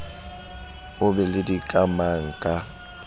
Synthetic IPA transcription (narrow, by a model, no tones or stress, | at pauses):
ʊbɛlɪdikʼamaŋ̩kʼa